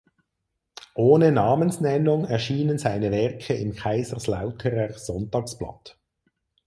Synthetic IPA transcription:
ʔoːnənɑːmənsnɛnʊŋɛʁʃiːnənzaɪnəvɛʁkʰəɪmkʰaɪzəʁslaʊtʰəʁəz̥ɔntɑːksplɑ̰t

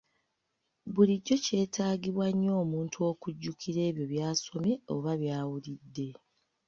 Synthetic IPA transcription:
βuliɟːo̞ce̞ːtʰaːɡiβwaɲːo̞ːmuːntʰuo̞ːkuɟːukiɾe̞ːβjo̞βjaːso̞me̞o̞̰βaβjaːwulidːe̞

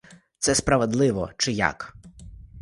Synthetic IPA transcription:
t̪sɛspɾɐʋed̪lˠɪʋɔ̰t͡ʃɪja̰k

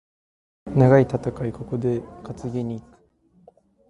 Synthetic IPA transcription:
naɡait̪at̪akaiko̞ko̞d̪e̞kat͡sɨɡe̞ɲ̟iːkɯ̥

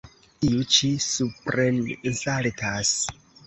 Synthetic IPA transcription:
iut͡ʃisupɾennsaltʰas

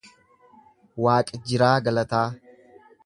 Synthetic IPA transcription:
waːkʼɪd͡ʒɪɾaːɡɐlɐt̪aː

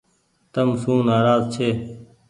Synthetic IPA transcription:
t̪əmsũːnaːɾaːzt͡ʃʰeː

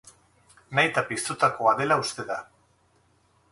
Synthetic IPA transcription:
najt̪apist̪ut̪ako̞aðe̞laust̪e̞ða

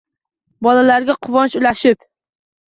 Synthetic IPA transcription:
bɒlalaɾɡʲaqʰʊvɒnt͡ʃʊlaʃɪp

